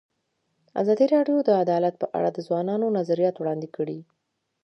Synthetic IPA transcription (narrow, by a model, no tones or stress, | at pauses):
a̰zɑd̪iɾɑɖjod̪əad̪ɑlat̪̚pəʔa̰ɽad̪əzwɑnɑnonazaɾijɑt̪wɽɑnd̪ɪkəɽi